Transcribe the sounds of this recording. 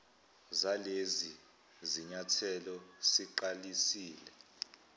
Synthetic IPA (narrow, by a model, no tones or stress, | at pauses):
zalezi | ziɲatʰɛlɔsiǃalisiːlɛ